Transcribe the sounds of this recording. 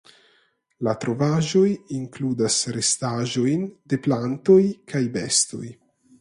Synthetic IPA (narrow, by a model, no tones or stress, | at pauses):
lat̪ɾo̞vaʒo̞jiŋkludasɾest̪aʒo̞jnde̞plantojkʰajbest̪o̞̰j